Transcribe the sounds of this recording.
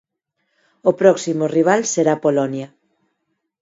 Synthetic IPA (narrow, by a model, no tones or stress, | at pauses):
opɾɔksimoriβ̞alseɾapolɔnja